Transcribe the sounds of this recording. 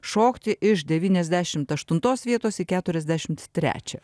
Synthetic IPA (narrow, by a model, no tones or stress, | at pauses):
ʃoːkt̪ʲɪʔɪʃd̪ʲɛʋʲiːnʲɛzʲd̪ʲæʃʲɪmt̪ɐʃt̪ʊnt̪oːsʋʲiɛt̪oːsikʲæːt̪ʊɾʲɛzʲd̪ʲæʃʲɪmt̪t̪ʲɾʲæ̰ːt͡ʃʲɛ̰